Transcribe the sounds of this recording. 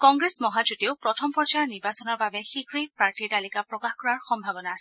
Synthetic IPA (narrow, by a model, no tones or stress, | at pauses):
kɔŋɡɹesmɔɦad͡ʒutioʊpɹɔtʰɔmpɔt͡ʃaɹniɹbasɔnɔɹbabɛxiɡɹipaɹʈiɹtalikapɹɔkaxkɔɹaɹxɔmbʱabɔnaːsɛ